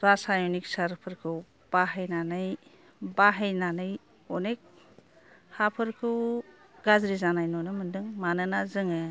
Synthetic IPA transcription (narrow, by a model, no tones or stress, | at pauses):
zasajɔnik̚saɾpʰɯɾkʰɯw | b̥aɦejnanɯj | baɦejnanɯj | ɔnek̚ | hapʰɯɾkʰɯw | ɡazɾizanajnɔnɯmɯndɯŋmanɯnazɯŋɯ